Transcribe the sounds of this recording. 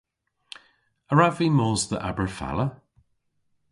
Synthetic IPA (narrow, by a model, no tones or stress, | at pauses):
əɹavimɔːzðə̰ʔa̰bəɹfa̰lə